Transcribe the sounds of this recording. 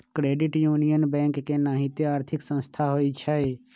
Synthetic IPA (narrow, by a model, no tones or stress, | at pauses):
kɾeːɖɪʈjuːnijənbɛ̃ːŋkːenaːɦɪt̪eaːɾt̪ʰɪksə̃nst̪ʰaɦoːit͡ʃʰae